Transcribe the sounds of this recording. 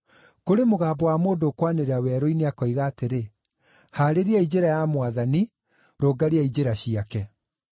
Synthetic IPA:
koɾemoɣaːbɔwamoːndoːkwaneɾeawɛɾoineakɔiɣaːteɾe | haːɾeɾiaid͡ʑeɾajamwaðani | ɾoːɡaɾeaid͡ʑeɾaɕiakɛ

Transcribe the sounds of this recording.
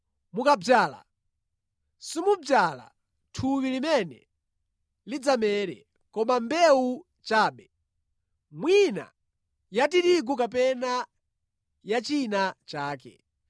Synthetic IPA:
mukab͡ʐjaːla̰ | simub͡ʐjala̰ | tʰuwilimɛnɛ̰ | lid͡zamɛɾɛ̰ | kɔmambɛu | t͡ʃaːɓɛ | mwina̰ | jatiɾiɡ̬ukapɛna | jat͡ʃinat͡ʃaːkɛ̰

